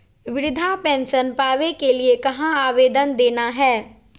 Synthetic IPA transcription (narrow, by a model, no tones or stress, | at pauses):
ʋɪɾɪd̪ʱapɛ̃ːnsənpaːʋekeliekɐɦãaːʋeːd̪ənd̪eːnaɦɛː